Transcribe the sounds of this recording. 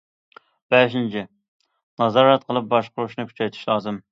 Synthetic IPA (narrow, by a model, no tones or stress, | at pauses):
b̥ɛʃint͡ʃʰɪ | nɑzɑːɾɑt̪̚qʰəlˠɨp̚bɑʃqʊɾuʃnɨkʲʰy̥t͡ʃʰɛjt̪ʰɪ̥ʃlˠɑːzɨm